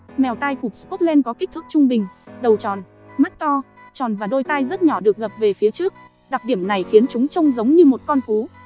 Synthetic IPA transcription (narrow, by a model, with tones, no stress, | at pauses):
mɛ˨˩wt̪a˧jku˨˩p̚sku˦˥t̚lɛ˧nkɔ˨˦ki˦˥k̟̚t̪ʰɨ˦˥k̚t͡ɕʊ˧ŋ͡mɓï˨˩ŋ̟ɗə˨˩wt͡ɕɔ˨˩n | ma˦˥k̚t̪ɔ˧ | t͡ɕɔ˨˩nvaː˨˩ɗo˧jt̪a˧jzə˦˥t̚ɲɔ˧˩ɗɨ˨˩ək̚ɣə˨˩p̚ve˨˩fi˨˦ət͡ɕɨ˦˥ək̚ | ɗa˨˩ɗi˧˩əmna˨˩jxi˨˦ənt͡ɕʊ˨˦ŋ͡mt͡ɕə˧wŋ͡mzə˨˦wŋ͡mɲɨ˧mo˨˩t̚kɔ˧nku˨˦